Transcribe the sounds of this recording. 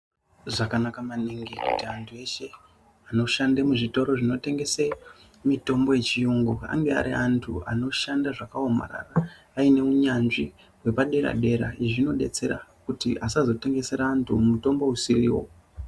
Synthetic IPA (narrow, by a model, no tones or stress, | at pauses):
ʐakanakamaniŋɡikutiantʰue̞ʃe̞ | ano̞ʃandemuʐito̞ɾo̞ʐino̞te̞ŋɡe̞se | mito̞mbo̞je̞t͡ʃijuŋɡua̰ŋɡe̞a̰ɾiantʰṵa̰no̞ʃandaʐakaoma̰ɾa̰raː | ine̞uɲanʐi | we̞paɗe̞ɾa̰ɗe̞ɾa̰iʐino̞ɗe̞̰t͡se̞ɾa̰kutḭasazo̞te̞ŋɡe̞se̞ɾaːntʰumuto̞mbo̞usiriːwo̰